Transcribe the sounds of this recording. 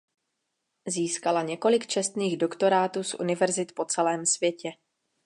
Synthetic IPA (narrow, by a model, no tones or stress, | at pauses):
ziːskalaɲɛko̞lɪkt͡ʃɛst̪niːɣdo̞kt̪o̞ɾaːt̪uːsʔṵnɪvɛɾzɪt̪po̞t͡sɛlɛːmsvjɛcɛ